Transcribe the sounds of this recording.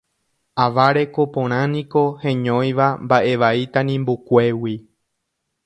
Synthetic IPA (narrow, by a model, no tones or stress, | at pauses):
aʋaɾe̞ko̞põɾ̃ãnĩko̞hẽ̞ɲõ̞j̃ʋambaʔe̞ʋait̪ãnĩmbukʷe̞wi